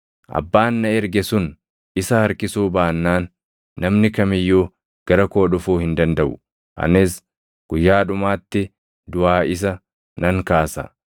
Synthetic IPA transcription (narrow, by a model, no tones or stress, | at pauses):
ʔɐ̰bːaːnːɐɛɾɡɛsʊn | ɪsɐhɐɾkɪsuːbaːnːaːnː | ɐmnɪkɐmɪjːuː | ɡ̥ɐɾɐko̞ːᶑʊfuːhɪnd̪ɐnd̪ɐʔʊ | ʔɐ̰nːɪs | ɡ̥ʊjːaːᶑʊmaːt̪ːɪ | d̪ʊaːɪs̬ɐ | nɐŋkaːsɐ̰